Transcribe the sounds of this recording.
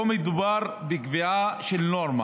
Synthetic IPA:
omid̪ubaɾ | bekviaʃelnoɾma̰

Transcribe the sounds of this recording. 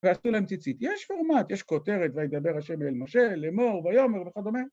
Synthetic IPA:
veasulehemt͡sit͡sit̪jɛʃfoʁmat̪jeʃko̞t̪e̞ʁet̪veajed̪abeʁhaʃemelmoʃelemoʁbajo̞meʁveχad̪omeʁ

